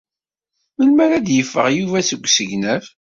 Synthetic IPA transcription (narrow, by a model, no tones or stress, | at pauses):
məlmæɾæd̪jəfːə̰ʁjuvæsəɡʷːsəʝnæv